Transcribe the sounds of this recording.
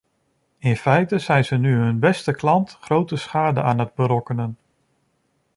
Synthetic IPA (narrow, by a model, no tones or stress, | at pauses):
ɪnfɛjtəz̥ɛjnzənyɦɵnbɛstəklɑntχrowtəsχaːdə̰aːnɦəd̚bəɾɔkənən